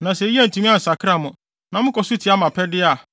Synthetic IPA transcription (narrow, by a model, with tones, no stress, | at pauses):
nã˨sɛ˨˦i˦a˦n̩˨tʰũ˦mĩ˦a˦n̩˨sa˨kʰɾa˦˨mʊ̃˨ | nã˨mʊ̃˦kɔ˨su˦tʰi˨˦a˦mã˨pʰɛ˦dɪ˦a˨